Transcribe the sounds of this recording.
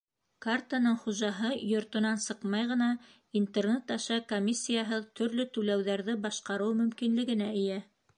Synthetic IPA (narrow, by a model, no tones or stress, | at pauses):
kart̪anɤɴχuʒɑɦɤjŏɾt̪ŏnɑnsɤqmɑjʁɤ̆nɑ | int̪ernet̪ɑʃɑkomʲisʲːijaɦɤðt̪ʰɵ̆ɾlɵt̪ʉlæwðæɾðɘbɑʃqɑɾɤwmɵ̆mkinlɘ̆ɡɘ̆næɘ̆jæ